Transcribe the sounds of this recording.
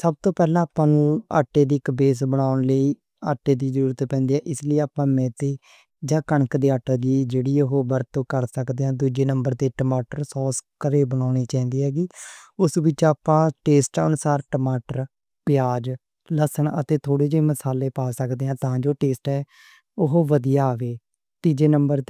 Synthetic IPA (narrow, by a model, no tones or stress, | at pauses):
səb̚t̪õːpɛːlãːapãːna̰ːʈːeːd̪iːɪkbeːs̬bəɽaːʊnləiː | a̰ːʈːeːd̪iːzəɾuːɾət̪pɛ̃ːnd̪iːɛːʔɪsləiːaːpãːmɛ̃ːt̪eː | d͡ʒãːkəɳkd̪eːaːʈːaːd̪iːd͡ʒeːɽiːəɦoːbəɾt̪õːkəɾsəkd̪eːãːd̪uːd͡ʒeːnəmbəɾd̪eːʈəmaːʈəɾsɔːskəɾeːbəɳ̃aːniːt͡ʃãːĩːnd̪iːɦɛːɡiːʊsʋɪt͡ʃaːpãːʈeːsʈə̰nʊsaːɾʈəmaːʈəɾ | pjaːd͡ʒ | ləsənə̰t̪eːt̪ʰoːɽeːd͡ʒeːməsaːleːpaːsəkd̪eːãːt̪ãːd͡ʒoːʈeːsʈɛː | ʊɦoːʋəd̪ijaːʋeː | t̪iːd͡ʒeːnəmbəɾt̪ː